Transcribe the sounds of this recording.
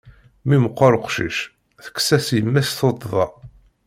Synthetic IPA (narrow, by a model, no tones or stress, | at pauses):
miməqːʊɾˤəqʃḭʃ | θə̥kːsæsjəmːæsθot̪ˤðˤɑ